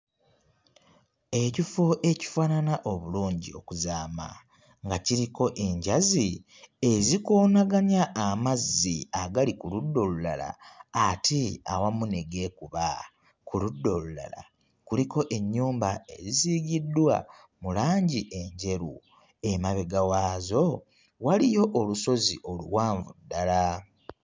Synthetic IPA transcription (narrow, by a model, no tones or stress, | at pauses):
e̞cifoʔe̞ci̥faːnanaʔo̞βuluːɲɟḭo̞̰kuzaːma̰ | ŋɡaciɾiko̞ʔe̞ɲɟazi | e̞zikoːnaɡaɲaʔːmazːiaɡalikuludːo̞lula̰la̰ːtʰia̰wamuneɡe̞kuβa | kuludːo̞lula̰la̰ | kuliko̞ʔe̞ɲːuːmbae̞ɾiziɡidːwa̰ | mulaːɲɟiʔe̞ɲɟe̞ɾu | e̞maβe̞ɡawaːzo̞ | walijo̞ʔoluso̞ziʔo̞lṵwaːɱvudːala